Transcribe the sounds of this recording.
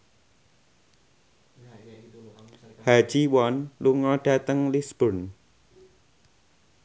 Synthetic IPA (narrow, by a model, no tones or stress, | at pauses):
hḁʒ̥iwɔnluŋɔɖ̥a̤t̪əŋlisb̥ɔn